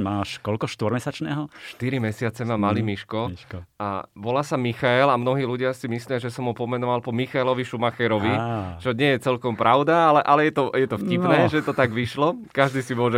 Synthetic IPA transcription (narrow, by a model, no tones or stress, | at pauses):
maːʃkɔlkɔʃt̪ɔɾmɛsat͡ʃnɛːɦɔʃt̪iɾimɛsɪat͡sɛmamaliːmiʃkɔka̰ʋɔlaːsamixaɛlamnɔɦiːluɟɪasimisliaʒɛsɔmɦupɔmɛnɔʋalpɔmixaɛlɔʋiʃumaxɛɾɔʋit͡ʃɔɲɪɛjɛt͡sɛlkɔmpɾʔaʊd̪aalɛʔalɛjɛt̪ɔjɛt̪ɔfcipnɛːʒɛt̪ɔt̪aɡʋiʃlɔkaʒd̪iːsimʊɔʒɛ